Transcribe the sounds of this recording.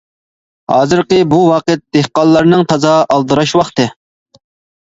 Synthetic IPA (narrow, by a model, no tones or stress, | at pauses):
hɑ̰ːzɨɾqɨbuwɑːqət̪̚d̪̥ehqɑlˠːɑɾnɨŋt̪ʰɑzɑʔɑlˠd̪ɨɾɑʃwɑχt̪ɨ